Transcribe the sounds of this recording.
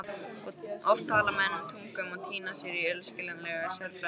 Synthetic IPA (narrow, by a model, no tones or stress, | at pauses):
ɔɣɔft̪ʰːaːlamɛðɛnːʏmt̪ʰuŋkʏmaɣt̪ʰiːnasjɛɾiœlscɪlɛnlɛɣasœɾfɛ